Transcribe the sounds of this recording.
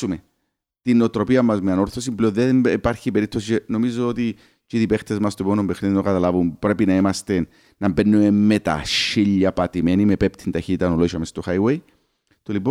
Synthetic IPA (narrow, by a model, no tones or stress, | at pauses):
ume | t̪inot̪ɾo̞piɐmːɐzmeano̞ɾθo̞s̬impleoðepaɾçipeɾip̚t̪ːosit͡ʃeno̞mizoot̪i | t͡ʃiðipext̪ezmɐst̪oponompexniðinokat̪alavumpɾe̞pinɐimɐst̪enː | ɐmbenːumemːet̪a̰ʃiʎːɐpat̪imenimepep̚t̪ʰint̪açit̪it̪anoloiʃomest̪oxajwej | t̪olipo